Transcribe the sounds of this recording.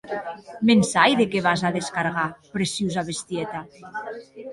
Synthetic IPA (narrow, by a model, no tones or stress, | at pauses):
mensajðekeβazaðeskaɾɣapɾesuzaβest̪jet̪a